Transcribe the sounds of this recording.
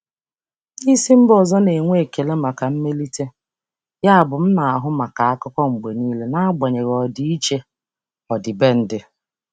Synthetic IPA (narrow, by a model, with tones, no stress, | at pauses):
i˦si˦m̩˦bɔ˨zɔ˦ne˨ŋʷe˦˨ke˨le˦ma˨ka˨m̩˦me˦li˦te˦ | ja˦a˨bʊ˨m̩˦na˨a˨ɦʊ˦ma˨ka˨a˦kʊ˦kʷɔ˦ŋ͡m̩˨ɡ͡be˨niː˦le˦na˦a˦ɡ͡ba˨ɲe˨ɾɔ˨di˦i˦t͡ʃe˦ | ɔ˨dɪ˨be˦n̩˦dɪ˦